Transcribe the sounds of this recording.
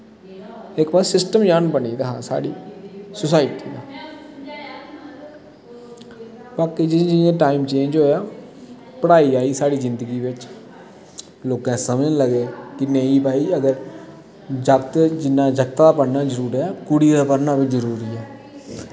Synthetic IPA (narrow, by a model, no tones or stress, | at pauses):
ɪkbəːsɪsʈəmjanbəɳiːd̪aɦãːsa̰ːɽiːsʊsaːɪʈiːd̪aː | baːkːid͡ʒɪd͡ʒɪjãːʈaːiːmt͡ʃẽːnd͡ʒɦoːjaː | pəɽaːiːaːiːsaːɽiːd͡ʒɪnd̪əɡiːʋɪt͡ʃ | loːkãsəməd͡ʒnləɡeːkɪnẽːiːpaːiːəɡəɾ | d͡ʒəkt̪d͡ʒɪnːãːd͡ʒəɡt̪aːd̪aːpəɾnaːd͡ʒəɾuːɾɛːkʊɽiːd̪aːpəɾnaːbɪt͡ʃzəɾuːɾiːɛː